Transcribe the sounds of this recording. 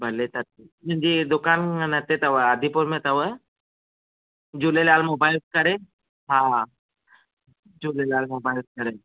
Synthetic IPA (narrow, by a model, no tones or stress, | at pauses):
bʱɐlet̪ɐt̪əd͡ʒid̪ʊkaːnnɐt̪et̪ɐʋəad̪ʱipʊɾmẽt̪ɐʋə | d͡ʒulelaːlmoːbaːjlt̪̚kɐɾe | ɦãː | d͡ʒuːlelaːlmoːbaːjls̚kɐɾe